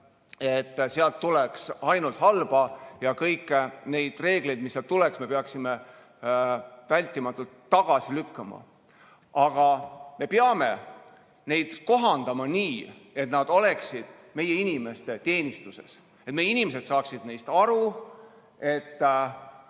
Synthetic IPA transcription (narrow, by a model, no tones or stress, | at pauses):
e̞t̪ːseɑlt̪ːulɛksɑjnult̪hɑlb̥ɑjɑkɤjkːene̞jd̪̥re̞ːɡ̥le̞jd̪̚misːeɑlt̪uleksme̞peɑksime | vælʲt̪ːˑimɑt̪ːˑult̪ːɑɡ̥ɑsilykːɑmɑ̰ | ɑɡ̥ɑme̞peɑme̞̰ | ne̞jd̪̥ko̞ɦɑnd̪̥ɑmɑniː | e̞t̪nɑd̪̥o̞le̞ksid̪̥ | me̞je̞inime̞st̪e̞t̪e̞ːnʲist̪use̞̰s | et̪mejːinimese̞d̪̥sɑːksid̪̥nejst̪ɑɾu | e̞t̪ː